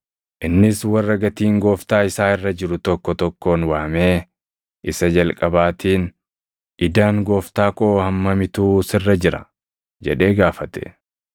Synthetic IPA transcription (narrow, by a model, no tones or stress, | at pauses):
ʔɪnːɪswɐrːɐɡɐt̪iːŋɡo̞ːft̪aːɪsaːɪrːɐd͡ʒɪɾʊt̪ɔkːɔt̪ɔkːo̞ːnwaːme̞ː | ʔɪsɐd͡ʒɐlkʼɐbaːt̪iːn | ʔɪd̪aːŋɡo̞ːft̪aːkʼo̞ːhɐmːɐmɪt̪uːsɪrːɐd͡ʒɪɾɐ̰ | d͡ʒɛᶑe̞ːɡaːfɐt̪ɛ̥̰